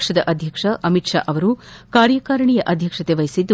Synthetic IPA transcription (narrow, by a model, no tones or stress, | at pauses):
ʂɐd̪ɐʔɐd̪ʱjɐkʂɐʔɐmitʂa̰ːʔɐʋɐɾu | kaːɾjɐkaːɾɐɳijɐʔɐd̪ʱjɐkʂɐt̪eʋɐjisid̪ːu